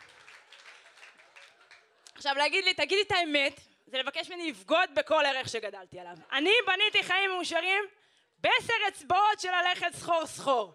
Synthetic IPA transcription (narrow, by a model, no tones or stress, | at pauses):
aχʃavleaɡid̪lit̪aɡid̪et̪aemet̪ | zelevakeʃmeniifɡo̞d̪̚be̞ko̞leʁe̞χʃe̞ɡad̪alt̪ialavanibanit̪iχaimːeuʃaʁim | beseʁet͡sbotʃelale̞χe̞tsχo̞ʁsχo̞ʁ